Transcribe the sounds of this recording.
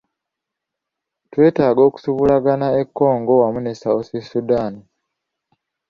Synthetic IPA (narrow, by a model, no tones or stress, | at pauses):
twe̞ːtaːɡo̞ːku̥suβulaɡanae̞kːo̞ːŋɡo̞wamunesaosisudaːni